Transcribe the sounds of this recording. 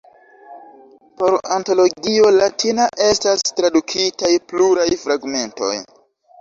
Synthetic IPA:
po̞ɾanto̞lo̞ɡio̞latinaʔe̞stastɾadukʰitajpluɾajfɾaɡme̞nto̞̰j

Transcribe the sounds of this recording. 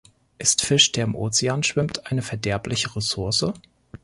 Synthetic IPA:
ʔɪstfɪʃd̥eːɐɪmʔoːt͡seaːnʃv̥ɪmtʰʔaɪnəfɛɐdɛɐplɪçəʁesʊɐsə

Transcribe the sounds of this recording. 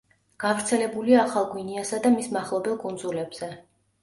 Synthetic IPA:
ɡ̥avɾt̪sʰɛlɛbuliaːχalˠɡwiniasad̪amismaχlˠɔbɛlˠkʼund̪zulɛbz̥ɛ

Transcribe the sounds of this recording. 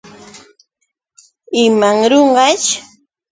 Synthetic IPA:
ɪmaŋɾoɴɢɑt͡ʃ

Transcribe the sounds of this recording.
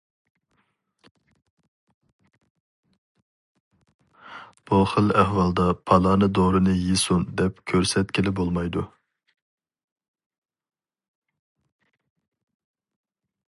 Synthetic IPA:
b̥uχəlɛhwɑlˠd̪ɑpʰɑlˠɑːnɨd̪oɾɨnɨjesund̪ɛpkʲʰøɾsɛt̪kʲɪlɪbolˠmɑjd̪u

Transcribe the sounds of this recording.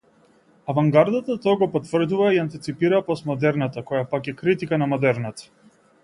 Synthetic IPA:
avaŋɡaɾd̪at̪at̪ɔaɡɔpɔt̪vr̩d̪uvaiant̪it̪sipiɾapɔsmɔd̪ɛɾnat̪akɔjapakɛkɾit̪ikanamɔd̪ɛɾnat̪ḁ

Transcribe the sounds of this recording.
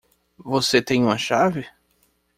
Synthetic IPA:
voset̪ẽj̃ũmɐʃavɪ

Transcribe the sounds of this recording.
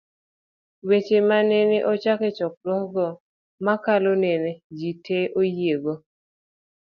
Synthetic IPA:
wet͡ʃemaneneʔɔt͡ʃaket͡ʃɔk̚lwɔɡɔ | makalonened͡ʒitʰeʔojeɡo

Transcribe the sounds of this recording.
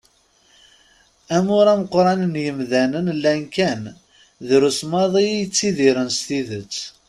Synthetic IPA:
æmʊɾæməqːɾˤɑnənjəmðænənlænkæn | ðɾusmɑðˤijət͡sːiðiɾənst̪iðət͡sː

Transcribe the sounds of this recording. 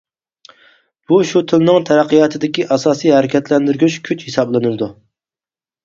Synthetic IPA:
b̥uʃut̪ʰɨlnɨŋt̪ʰæɾæqːijɑːt̪ʰɨd̪ɪkʲiʔɑsɑːsijhɛɾɪkʲɛt̪lɛnd̪yɾɡʲyt͡ʃkʲʰyt͡ʃhesɑblˠɨnɨlɨd̪u

